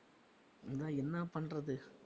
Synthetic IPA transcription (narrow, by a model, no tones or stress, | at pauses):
ɪnd̪ãːɛnːɐpɐɳrɐðɯ